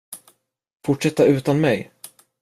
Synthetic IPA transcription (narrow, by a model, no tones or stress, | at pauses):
fʊʈʂɛt̪ːaʉ̟ːt̪anmɛj